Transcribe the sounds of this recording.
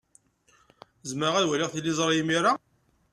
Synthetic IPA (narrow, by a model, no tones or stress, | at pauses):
zməʁæðwæliʁθlːizˤɾˤjimiɾa